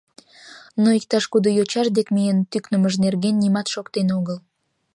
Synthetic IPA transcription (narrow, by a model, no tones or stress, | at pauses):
noik̚t̪ɑʃkud̪ojot͡ɕɑʃd̪ekmijənt̪yknəməʒnerɣenːimɑt̪ʃokt̪enoɣəl